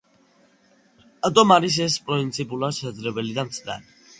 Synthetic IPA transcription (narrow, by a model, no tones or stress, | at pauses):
at̪ʼɔmaɾis̬ɛspʼɾɔint̪sʰipʼulasɛd̪zɾɛbɛlid̪amt̪sʰɾa̰ɾi